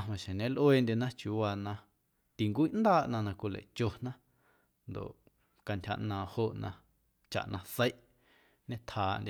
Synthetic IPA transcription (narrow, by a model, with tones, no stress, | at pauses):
a˧mã˨ʃẽ˨nẽ˦lʔweː˦˨ndʲe˧nã˦t͡ʃju˧˨wa˧nã˧ | t̪i˨ŋkʷiː˦ʔnd̪aː˦ʔnã˧nã˧kʷi˧lḛ˨ʔt͡ʃo˧nã˦ | nd̪o̰˨ʔ | ka˧ntʲha̰˧ʔnãː˨ho˧ʔnã˧ | t͡ʃa̰˨ʔnʔã˧t͡sə˦jʔ | ɲẽ˦t̪ʰhaː˨ʔndʲe˧